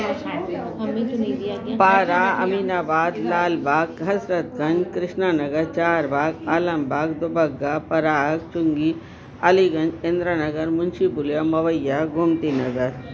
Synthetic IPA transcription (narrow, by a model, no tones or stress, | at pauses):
paːɾaːɐ̰miːnaːbaːd̪laːlbʱaːkɦɐsɾət̪̚ɡɐ̃nd͡ʒkɾɪʃnaːnɐɡəɾt͡ʃaːɾbʱaːɡaːlɐ̃mbʱaːɡd̪ʊbɐɡːaːpɐɾaːk̚t͡ʃʊŋɡi | ɐliɡɐ̃nd͡ʒɪ̃nd̪ɾənɐɡəɾmʊnʃibʊljamɐʋəjːaɡʱumt̪inɐɡəɾ